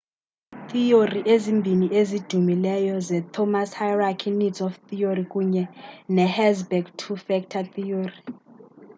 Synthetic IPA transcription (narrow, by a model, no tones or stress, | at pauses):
t̪ioriʔezimbʱiniʔezid̥ʱumilɛjɔzɛt̪ʰɔmashajrakʰinidzɔft̪ʰiorikʼuɲɛnɛhɛzbɛɡtʰufɛk̚tʰat̪ʰiori